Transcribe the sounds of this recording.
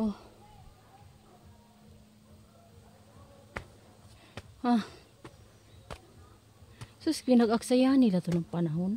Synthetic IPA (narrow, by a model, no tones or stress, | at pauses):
o | ha | suskinaɡaksajanilat̪onaŋpanaɦʊn